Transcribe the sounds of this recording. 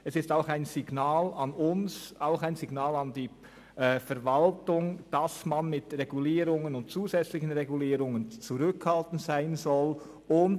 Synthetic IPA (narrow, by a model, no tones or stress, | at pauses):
ɛsɪstaʊxaɪnz̥ɪɡnaːlɑnʊnsaʊxaɪnzɪɡnaːlɑndiː | ɛːfɛɾvaltʊŋd̥ɑsmanmɪtʁɛɡuliːɾʊŋənʊnt̚t͡suːzɛt͡slɪçən̩ʁɛɡuliːɾʊŋənt͡suʁʏkhaltn̩z̥aɪnzɔl | ʊn